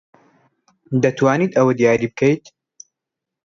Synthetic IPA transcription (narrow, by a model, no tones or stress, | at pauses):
d̪ɐt̪ʰwaːniːt̪ɐwɐd̪ijaːɾiːbɨkʰɐjt̪̚